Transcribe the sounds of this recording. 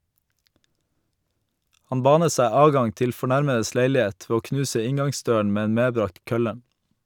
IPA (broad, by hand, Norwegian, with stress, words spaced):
ˈhɑn ˈbɑːnə ˈsæɪ ˈɑːdˌɡɑŋ ˈtɪl fɔˈɳæɾməəs ˈleɪlɪˌeːt ˈʋeː ˈoː ˈknʉːsə ˈɪŋɡɑŋˌsdøːəɳ ˈmeː ˈeːn ˈmeːˌbɾɑːkt ˈkœlə